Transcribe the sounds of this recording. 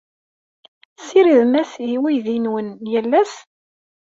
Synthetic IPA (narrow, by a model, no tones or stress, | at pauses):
siɾiðmæsiwijðinwənjælːæs